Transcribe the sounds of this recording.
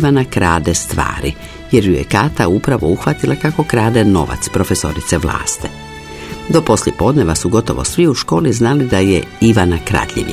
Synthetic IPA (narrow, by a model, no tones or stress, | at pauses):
ʋanakɾaːd̪est̪ʋa̰ːɾḭ | je̞ɾjujḛkaːt̪aupɾaʋo̞uxʋat̪ilʔakako̞kɾaːd̪eno̞̰ʋa̰t̪spɾo̞feso̞̰ɾit̪seʋla̰ːst̪e | d̪o̞po̞sljepo̞d̪ne̞ʋasuɡo̞t̪o̞̰ʋo̞̰sʋiuʃko̞ːliznalid̪ajḛiʋanakɾa̰d̪ʎḭʋi